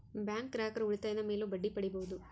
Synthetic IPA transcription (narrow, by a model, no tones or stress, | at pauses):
bjaːŋkɾaːkɐɾuɭit̪aːjɐnɐmeːloːbɐɖːipɐɽiboːud̪u